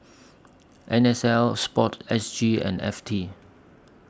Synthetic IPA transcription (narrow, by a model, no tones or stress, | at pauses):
ʔɛ̃nɛsɛlspɔtɛsd͡ʒiɛ̰̃nɛ̰ftʰi